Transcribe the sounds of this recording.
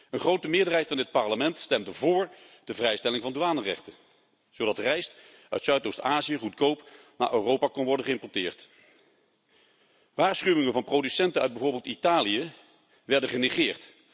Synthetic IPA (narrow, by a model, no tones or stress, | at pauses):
ənχrowtəmɪːɹdərɦɛjtfɑndɪt̚pɑɹləmɛntstɛmdəvʊːɹ | d̥əvrɛjstɛlɪŋvɑnduaːnərɛ̰χtən | z̥owdɑtrɛjst | œ̰ɥtsœɥtowstaːzijəχutkowp | na̰ːʔørowpaːkonʋɔɹdənχəɪmpɔɹtɪːɹt | ʋaːɹsχyʋɪŋənvɑnprodysɛntənœ̰ɥd̚bɛvʊːɹbɪːlˠtitaːliə | ʋɛɹdəχəneχɪːɹt